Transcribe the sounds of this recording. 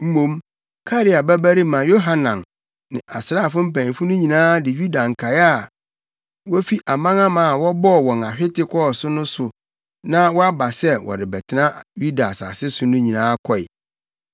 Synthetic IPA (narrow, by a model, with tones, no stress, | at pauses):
m̩˦mõ˦m | kʰa˦ɾɪ˦a˨bɛ˦bæ˦ɾi˦mã˨jo˦ɦa˦nã˨m | nɪ̃˨ʔa̰˨sɾaː˦˨fʊ̃˦m̩˦pæ̃˨ñ˨fʊ˦nʊ̃˦ɲĩ˨nãː˦dɪ˨ɥu˦da˨ŋ̩˨kʰa˨ja˦˨ | wɔ˦fi˦ʔa˨mã˦ŋã˦mã˨a˨wɔ˦bɔ˦˨wɔ̃˨na˨ɕᶣɪ˦tɪ˦kʰɔ˦˨sʊ˦nʊ̃˦sʊ˨ | nã˦wɔ˦a˦ba˨sɛ˦wɔ̰˨ɾɪ˨bɛ˨tʰɪ˨nã˦ju˦da˨sa̰˨sɪ˦sʊ˨nʊ̃˦ɲĩ˨nãː˦kʰɔ˦˨ɪ̰˨